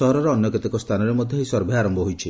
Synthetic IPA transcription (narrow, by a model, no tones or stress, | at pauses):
ɔɦɔɾɔɾɔːnjɔket̪ikɔst̪ʰanɔɾemɔd̪ʱjɔɦisɔɾbʱiaɾɔmbɔɦojt͡ʃʰi